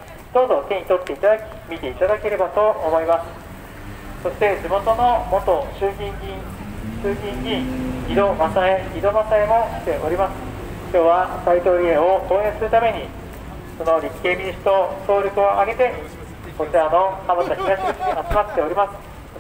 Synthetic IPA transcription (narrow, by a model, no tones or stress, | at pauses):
d̪̥o̞ːzo̞k̪ʲẽɲʲit̪o̞t̪ːe̞it̪ad̪akʲi̥mʲit̪e̞it̪ad̪ake̞ɾe̞bat̪o̞ʔomo̞imasɨ̥ | so̞ɕi̥t̪e̞d͡ʑimo̞t̪o̞no̞mo̞t̪o̞ɕɨːɡʲĩŋɡʲĩ | ɕɨːɡʲĩɲɡʲĩid̪o̞mãnt̪aeid̪o̞bãnt̪aemo̞ɕi̥t̪e̞ʔo̞ɾʲimasɨ̥ | kʲo̞ːβasait̪o̞ːɾʲiẽoko̞ːẽ̞ɰ̃sɨɾɯ̟t̪ame̞ɲ̟i | so̞no̞ɾʲikːeːmʲiɲiɕi̥t̪o̞so̞ːɾʲokɯ̟oʔaɡe̞t̪eɲi | ko̞t͡ɕiano̞kamat̪açʲiɡaɕi̥at͡sɨmat̪ːe̞o̞ɾʲimasɨ̥